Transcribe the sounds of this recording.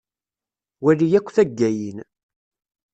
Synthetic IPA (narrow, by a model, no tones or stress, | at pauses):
wælijækʷːθæɡːæjin